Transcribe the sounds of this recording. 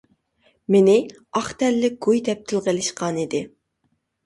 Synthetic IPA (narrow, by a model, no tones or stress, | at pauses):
mɪnɪ | ɑχt̪ɛlːɪk̚ɡ̥ujd̪ɛp̚t̪ʰɪlˠʁəlɪʃqʰɑnid̪ɪ